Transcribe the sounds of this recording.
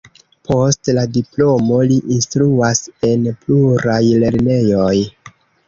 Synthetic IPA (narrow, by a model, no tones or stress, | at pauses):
pʰo̞stladiplo̞mo̞liʔinstɾuase̞npluɾajle̞ɾne̞jo̞j